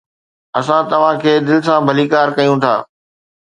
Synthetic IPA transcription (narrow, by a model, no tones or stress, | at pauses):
ɐsãt̪ɐʋ̤ãkʰeːd̪ɪlɪsãbʱɐliːkaːɾkɐjũt̪ʰa̰ː